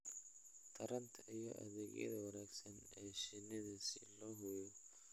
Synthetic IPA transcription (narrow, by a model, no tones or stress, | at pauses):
t̪ʰɐɾɐnt̪ʰɐʔijɔ̰ʔɐ̰ðɛɣjɐ̰ðɐwɐnaːɡsɐnɛʃɪnɪðiːsḭlɔɦʊjɔ